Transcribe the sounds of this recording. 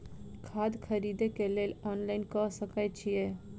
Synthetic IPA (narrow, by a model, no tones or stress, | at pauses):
kʰaːd̪kʰəɾiːd̪ekeleːlɔːnlaːɪnkɔsəkət͡ʃʰije